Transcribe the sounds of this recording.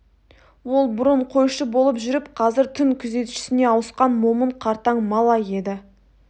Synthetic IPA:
wo̞lˠbʊɾəɴqʰo̞jʃəbo̞lˠəpʒʏɾɪpqʰɑzɪɾt̪ʰʏŋkʲʰʏze̞t̪ʃɪ̥sɪne̞ɑwəsqɑnmo̞məɴqʰɑɾt̪ɑɴmɑlˠɑje̞d̪ɪ

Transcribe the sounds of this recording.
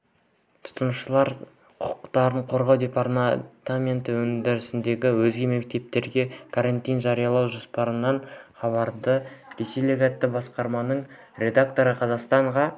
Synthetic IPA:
t̪ʰʊ̥t̪ənʃəlˠɑɾ | qʰʊ̥qt̪ɑɾəɴqʰo̞ɾʁɑwd̪ʲe̞paɾt̪t̪amʲe̞nt̪ɪwɵnd̪ɪɾɪsɪnd̪e̞ɡʲɪwɵzɡʲe̞me̞k̚t̪e̞p̚t̪e̞ɾɡʲe̞kʰaɾant̪ijnʒɑɾijɑlˠɑwʒospɑɾənːɑɴχɑβɑɾd̪əɾeselʲeɡat̪ːɪbɑsqɑɾmɑnəɴ | ɾʲe̞d̪ak̚t̪o̞ɾəqʰɑzɑqst̪ɑɴʁɑ

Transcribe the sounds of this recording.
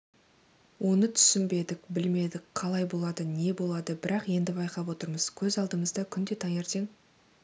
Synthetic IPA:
wʔo̞nət̪ʰʏ̥sɪnbe̞d̪ɪkbɪlme̞d̪ɪkqʰɑlˠɑjbo̞lˠɑd̪əne̞bo̞lˠɑd̪əbɪɾɑqje̞nd̪ɪbɑjqɑpwo̞t̪əɾməz̥kʲʰɵzɑlˠd̪əməzd̪ɑkʲʰʏnd̪e̞t̪ʰɑŋe̞ɾt̪e̞ŋ

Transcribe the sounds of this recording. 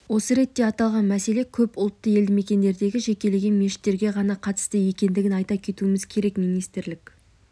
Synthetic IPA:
wo̞səɾe̞t̪ːe̞ɑt̪ɑlˠʁɑnmæse̞le̞kʲʰɵpʊlˠt̪ːəje̞ld̪ɪme̞kʲe̞nd̪e̞ɾd̪e̞ɡʲɪʒe̞kʲe̞le̞ɡʲe̞nmeʃɪ̥t̪ːe̞ɾɡʲe̞ʁɑnɑqʰɑt̪ə̥st̪əje̞kʲe̞nd̪ɪɡʲɪnɑjt̪ɑkʲʰe̞t̪uɪmɪzkʲʰe̞ɾe̞kmijnijst̪ɪɾlɪkʲ

